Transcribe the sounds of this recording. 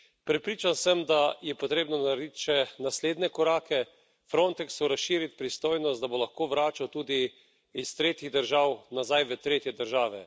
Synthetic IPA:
pɾɛpɾiːt͡ʃansəmd̪ajɛpɔt̪ɾeːbnɔnaɾiːt͡ʃɛnasleːd̪nɛkɔɾaːkɛ | fɾont̪ɛksuɾasʃiːɾit̪pɾist̪oːjnɔst̪d̪abolaxkoːʋɾaːt͡ʃawt̪uːd̪iː | st̪ɾeːt̪iɣd̪əɾʒaːwnazajʋət̪ɾeːt̪jɛd̪əɾʒaːʋɛ̰

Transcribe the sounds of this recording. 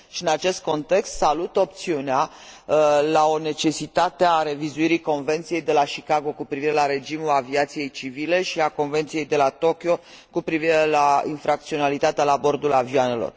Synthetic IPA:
ʃiɨnat͡ʃe̞st̪̚ko̞nt̪e̞kst̪salut̪o̞p̚t̪siunea | lao̞ne̞t͡ʃe̞sit̪at̪eaɾe̞vizuiɾiko̞nve̞nt̪sije̞jd̪e̞laʃikaɡo̞kupɾiviɾe̞laɾe̞d͡ʒimulaviat̪sije̞jt͡ʃivile̞ʃiako̞nve̞nt̪sije̞jd̪e̞lat̪o̞kʲjo̞ | kupɾiviɾe̞lainfɾak̚t̪sio̞nalit̪at̪ealaːbo̞rd̪ulavioane̞lo̰r

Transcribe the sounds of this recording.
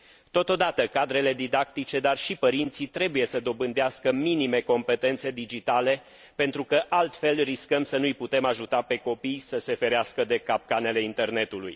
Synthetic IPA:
t̪o̞t̪o̞d̪at̪əkad̪ɾe̞le̞d̪id̪ak̚t̪it͡ʃe̞d̪arʃipəɾint̪sit̪ɾe̞buje̞səd̪o̞bɨnd̪easkəminime̞ko̞mpe̞t̪e̞nt̪se̞d̪id͡ʒit̪ale̞ | pe̞nt̪ɾukəʔalt̪fe̞lriskəmsənujput̪e̞maʒut̪ape̞ko̞pijsəse̞fe̞ɾeaskəd̪e̞kap̚kane̞le̞int̪e̞rne̞t̪ulṵj

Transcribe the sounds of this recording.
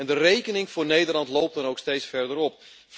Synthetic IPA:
ɛndərejkənɪŋvʊːɹnejdəɹlɑntlowp̚dɑnowkstejtsfɛɹdəɾɔp̚

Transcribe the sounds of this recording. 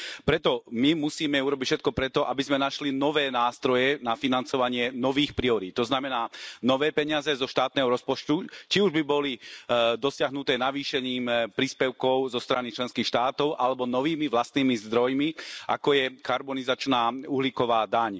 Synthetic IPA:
pɾɛt̪ɔmimusiːmɛuɾɔbicfʃɛt̪̚kɔpɾɛt̪ɔʔabizmɛnaʃlinɔʋɛːnaːst̪ɾɔjɛnafinant͡sɔʋaɲɪɛnɔʋiːxpɾiɔɾit̪̚t̪ɔznamɛnaːnɔʋɛːpɛɲɪazɛzɔʃt̪aːt̪̚nɛːɦɔɾɔspɔt͡ʃt̪ut͡ʃiuʒbibɔlid̪ɔsɪaɦnut̪ɛːnaʋiːʃɛɲiːmpɾiːspɛʊkɔʊzɔst̪ɾanit͡ʃlɛnskiːxʃt̪aːt̪ɔʊʔalɛbɔnɔʋiːmiʋlast̪niːmizd̪ɾɔjmiʔa̰kɔjɛkaɾbɔnizat͡ʃnaːuɦlikɔʋaːd̪aɲ

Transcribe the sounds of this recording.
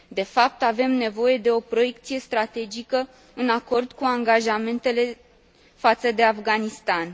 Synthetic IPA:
d̪e̞fap̚t̪ave̞mne̞vo̞je̞d̪e̞o̞pɾo̞je̞k̚t̪sije̞st̪ɾat̪e̞d͡ʒikə | ɨnako̞rd̪kuaŋɡaʒame̞nt̪e̞le̞ | fat̪səd̪e̞afɡanist̪an

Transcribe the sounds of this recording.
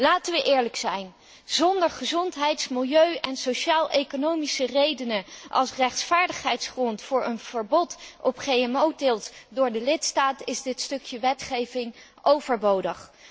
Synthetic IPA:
laːtəʋəʔɪːɹləksɛjn | zɔndəɹχəzɔntɦɛjtsmɪlˠjøɥʔɛnsowʃaːlˠʔejkonowmisərejdənəʔɑ̰lˠsrɛχtfaːɹdəχɦɛjtsχrɔntfʊːɹʔə̰nv̥əɹbɔtɔpχejɛmowtɪːlˠtdʊːɹdəlɪtstaːtɪzdɪtstɵkjəʋɛtχejvɪŋ | owvəɹbowdəχ

